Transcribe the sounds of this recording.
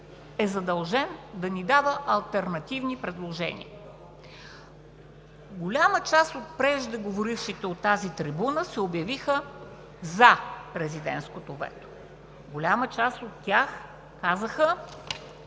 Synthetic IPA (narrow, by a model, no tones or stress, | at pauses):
ɛzɐd̪ɐlˠʒɛnd̪ɐnid̪avəʔɐlˠt̪ɛɾnɐt̪ivnipɾɛd̪lˠoʒɛ̰nʲḭə | ɡolʲamət͡ʃast̪ot̪̚pɾɛʒd̪ɛɡovoɾifʃit̪ɛot̪ːazit̪ɾibunəsɛobjɐvixə | zɐpɾɛzid̪ɛ̰nt̪skot̪ovɛ̰t̪o̥ | ɡolʲamət͡ʃast̪ot̪ːʲjax | kazəxə